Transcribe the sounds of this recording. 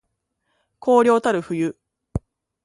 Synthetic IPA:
kʰo̞ːɾʲjo̞ːt̪aɾɯ̟ɸɯ̟jɯ

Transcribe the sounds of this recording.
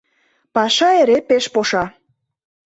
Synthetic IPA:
pɑʃɑeɾepeʃpoʃɑ

